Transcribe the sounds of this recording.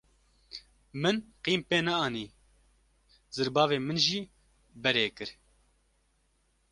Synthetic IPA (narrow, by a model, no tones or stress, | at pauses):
mɨnqiːmpeːnɛɑːniː | zɨɾbɑːveːmɨnʒiː | bɛɾeːkɨɾ